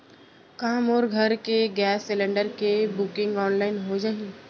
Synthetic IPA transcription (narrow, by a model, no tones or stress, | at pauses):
kamoːɾɡʱɐɾkeɡɛːsːɪlə̃ɳɖəɾkebʊkɪ̃ŋɡɔːnlaːɪnɦod͡ʒaːi